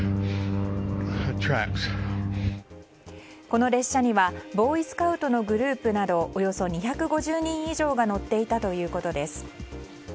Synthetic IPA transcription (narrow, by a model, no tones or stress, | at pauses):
tʰɹæ̰ks | ko̞no̞ɾe̞ɕːaɲ̟iβabo̞ːisɨ̥kaɯ̟t̪o̞no̞ɡɯ̟ɾɯ̟ːpɯ̟nad̪o̞ʔːjo̞so̞ɲ̟içakɯ̟ɡo̞ʑɨːɲ̟ĩɰ̃iʑo̞ːɡano̞t̪ːe̞it̪at̪o̞jɯ̟ːko̞t̪o̞d̪e̞sɨ̥